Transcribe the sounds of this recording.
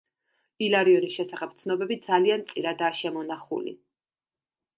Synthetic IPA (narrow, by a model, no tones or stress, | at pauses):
ilaɾiɔnisʃɛsaχɛb̚t̪sʰnɔbɛbid̪zaliant̪sʼiɾad̪aːʃɛmɔnaχṵlḭ